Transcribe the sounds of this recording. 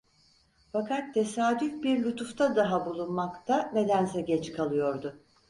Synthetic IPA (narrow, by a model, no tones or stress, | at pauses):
fakat̪ʰːe̞saːd̪yfbiɾlʲut̪ʰuft̪ʰad̪aɦabulˠunmakt̪ʰamed̪ænzɛɟɛt͡ʃkʰalˠɯjo̞ɾd̪ʊ